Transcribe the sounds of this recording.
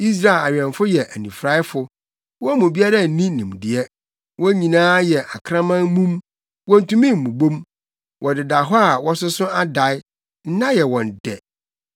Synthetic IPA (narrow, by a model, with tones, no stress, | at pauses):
i˦s̬ɾa˦ɪ˨la˨ɥᶣɛ̃˨ɱfʊ˦jɛ˨ʔæ˨nĩ˨fɾa˦ɪ˦fʊ˨ | wɔ˦mʊ̃˨bi˦a˦ɾa˦˨nĩ˦nĩ˨m˨dɪ˨ɛ˦ | wɔ˦ɲĩ˨nãː˦jɛ˨ʔa˨kʰɾã˦mã˦nmũ˦m | wɔ̃˦n̩˨tũ˦mĩ˦m̩˨mũ˨bõ˦m | wʔɔ˨dɪ˨da˨ɦɔ˦a˨wɔ˦sʊ˦sʊ̃˦a˦da˨˦ɪ˦ | n̩˦nã˦jɛ˨wɔ̃˨n˨dɛ˨